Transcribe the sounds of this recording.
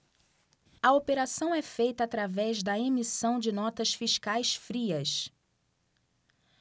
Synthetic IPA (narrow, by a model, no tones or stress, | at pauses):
ɐopeɾasɐ̃w̃ɛfejt̪ɐːt̪ɾavɛʒd̪ɐemisɐ̃w̃d͡ʒɪnɔt̪ɐsfiʃkajsfɾiɐs